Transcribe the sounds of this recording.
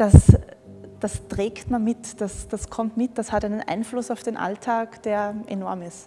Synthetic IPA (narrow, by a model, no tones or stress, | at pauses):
d̥as | d̥astʁ̥eːktmanmɪtd̥asd̥askʰɔmtmɪt̚d̥ashataɪnənʔa̰ɪnflʊsaʊfd̥eːnʔa̰ltʰaːkd̥eːɐʔenɔɐmɪst